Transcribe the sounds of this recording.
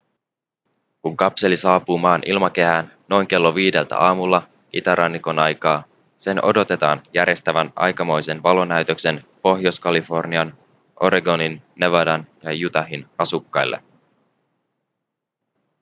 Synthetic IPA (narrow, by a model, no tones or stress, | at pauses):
kuŋkɑpse̞lisɑːpuːmɑːnʔilmɑke̞ɦænːo̞jŋke̞lːo̞ʋiːde̞lt̪æ̰ʔɑːmulːɑ | it̪æɾʔɑnːiko̞nɑjkɑː | se̞no̞̰do̞t̪e̞t̪ɑ̰ːnjæɾje̞st̪æʋænɑ̰jkɑmo̞jse̞nʋɑlo̞næɥt̪ø̞kse̞npo̞ɦjoskɑlifo̞rniɑn | ʔo̞ɾeɡo̞ninːeʋɑdɑnjɑjut̪ɑɦinɑsukːɑjlːʔḛ